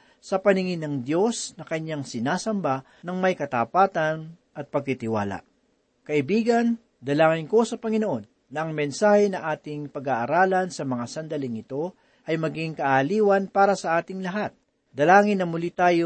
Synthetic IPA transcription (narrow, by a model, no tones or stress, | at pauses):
sɐpɐnɪŋɪnɐŋd̪jo̞snɐkɐɲaŋsɪnaːsɐmba | nɐŋmɐjkɐt̪ɐpaːt̪ɐn | ʔɐt̪̚pɐɡ̚t̪ɪt̪ɪwa̰ːla̰ | kɐʔɪbiːɡɐn | d̪ɐlaːŋɪnko̞sɐpɐŋɪno̞ʔo̞nːɐʔɐŋmɛnsaːhɛnɐŋʔaːt̪ɪŋpɐɡaːʔɐɾaːlɐnsɐmɐŋasɐnd̪ɐlɪŋɪt̪o̞ | ʔɐjmɐɡɪŋkɐʔːliːwɐnpaːɾɐsɐʔaːt̪ɪŋlɐɦat̪̚ | d̪̥ɐlaːŋɪnːɐmʊlit̪aːjo